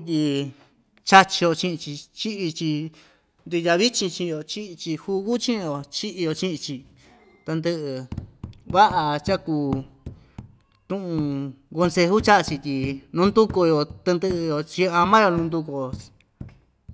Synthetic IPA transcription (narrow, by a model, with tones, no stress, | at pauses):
t̪ʲi˧ | t͡ʃa˦t͡ʃi˧jo˧t͡ʃĩ˦ʔĩ˧t͡ʃi˧t͡ʃi˦ʔi˧t͡ʃi˧ | nd̪u˧ja˧βi˦t͡ʃĩ˧t͡ʃĩ˧o˧t͡ʃi˦˧t͡ʃi˧hu˧ɣu˦t͡ʃĩ˦ʔjo˧t͡ʃi˦ʔi˧jo˧t͡ʃĩ˦ʔĩ˧t͡ʃi˧ | t̪a˧nd̪ɨ˧ʔɨ˧ | βa˦ʔa˧t͡ʃa˦kuː˧ | t̪ũ˦ʔũ˧ | ɡo˧nse˧hu˦t͡ʃa˦ʔt͡ʃi˧t̪ʲi˧nũ˦nd̪u˦ko˧jo˧t̪e˧nd̪ɨ˧jo˧t͡ʃi˧a˧mã˦jo˧nũ˧nd̪u˧ko̥˧˨˧